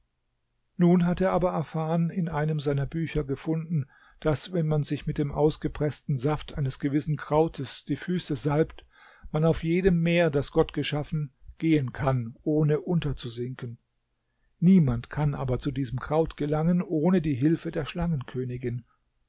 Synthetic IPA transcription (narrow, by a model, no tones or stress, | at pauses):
nuːnɦateːɐaːbɐʔɛɐfaːʁənɪnʔaɪnəmzaɪnɐbyːçɐɡəfʊndn̩ | d̥asvɛnmanzɪçmɪt̚d̥eːmʔaʊsɡ̥əpʁ̥ɛstn̩zaftʔaɪnəsɡ̥əvɪsn̩kʁ̥aʊtʰəsd̥iːfyːsəzalpt | manaʊfjeːdəmːeːɐdasɡ̥ɔtɡ̥əʃafn̩ɡ̥eːənkʰanʔoːnəʔʊntɐt͡suzɪŋkən | niːmantkʰanʔaːbɐt͡sudiːzəmkʁ̥aʊtɡ̥əlaŋənʔoːnədiːɦɪlfədeːɐʃlaŋənkʰøːnɪɡɪn